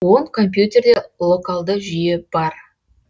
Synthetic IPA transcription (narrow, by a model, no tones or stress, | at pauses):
woɴkʰo̞mp̬jut̪ʲe̞rd̪e̞lˠo̞kalˠd̪əʒijeb̥ɑɾ